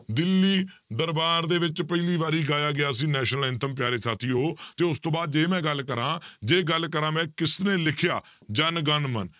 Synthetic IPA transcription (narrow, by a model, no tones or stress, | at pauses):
d̪ɪlːiːd̪əɾbaːɾd̪eːʋɪt͡ʃpəɪliːʋaːɾiːɡaːjaːɡɪjaːəs̬ĩːnɛːʃnəlɪ̃nt̪əmp̬jaːɾeːsaːt̪ʰiːɦoːt̪eːʊst̪õːbaːd̪d͡ʒeːmɛ̃ːɡəlːkəɾãːd͡ʒeːɡəlkəɾãːmɛ̃ːkɪsnẽːlɪkʰjaːd͡ʒənɡənmə̰n